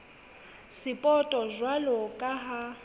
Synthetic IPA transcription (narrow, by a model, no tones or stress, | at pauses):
sɪpʼɔtʼɔzwalɔkʼaɦa